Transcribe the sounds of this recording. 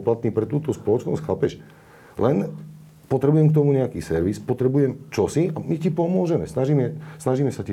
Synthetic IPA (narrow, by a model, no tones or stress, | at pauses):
plat̪̚niːpɾɛt̪uːt̪ɔspɔlɔt͡ʃnɔ̰scxapɛʃ | lɛn | pɔt̪ɾɛbujɛmk̚t̪̬ɔmuɲɛakiːsɛɾʋispɔt̪ɾɛbujɛmt͡ʃɔsiamicipɔmʊɔʒɛmɛsnaʒimɛsnaʒiːmɛsaci